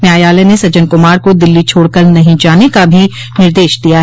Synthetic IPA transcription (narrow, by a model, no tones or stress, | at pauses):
njaːjaːlenesɐd͡ʒənkʊmaːɾkod̪ɪlːit͡ʃʰoːɽkəɾnɐɦĩd͡ʒaːnekabʱi | nɪɾd̪eːʃd̪ijaɦɛ